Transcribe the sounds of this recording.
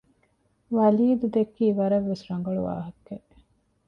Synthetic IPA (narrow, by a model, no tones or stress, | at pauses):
ʋɐliːd̪ud̪ekːiːʋɐɾɐʋːesɾɐŋɡɐɭṵʋa̰ːɦɐkːe